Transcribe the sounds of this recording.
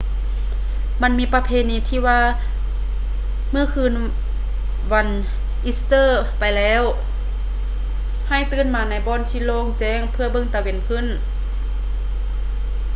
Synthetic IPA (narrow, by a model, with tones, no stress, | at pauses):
ma˧˥˨nmiː˧˥pa˧pʰeː˧˥˨niː˧t̪ʰiː˧˩waː˧˨ | mɯː˧˥˩kʰɯː˧˥˨n | wa˧˥n | ʔi˧˥st̪ɤː˧˥˨pa˨jlɛː˦˧˥w | ha˧˩jt̪ɯː˧˥˨nmaː˨˧˦na˧˩jbɔː˧˥˨nt̪ʰiː˧˥˨loː˧˨ŋt͡ɕɛː˧˥˩ŋpʰɯ˧ɐbɤ˧˨ŋt̪a˧we˨˧˩nkʰɯ˧˥˨n